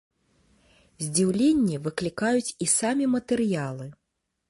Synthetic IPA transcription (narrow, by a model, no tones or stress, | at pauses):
zʲd͡zʲiwlʲenʲːivɨklʲikajut͡sʲisamʲimɐt̪ɛrjalˠɨ